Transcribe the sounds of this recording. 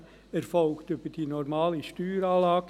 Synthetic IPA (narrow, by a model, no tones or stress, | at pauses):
ɛɾfɔlktyb̥əd̥iːnɔɾmɑːliʃtyːɾɑːlɑːɡ̥